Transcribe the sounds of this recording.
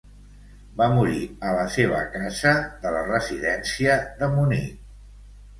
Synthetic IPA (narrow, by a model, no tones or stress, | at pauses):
bamuɾiələseβ̞ə̰kazəðələrəziðɛnsiəðəmunḭ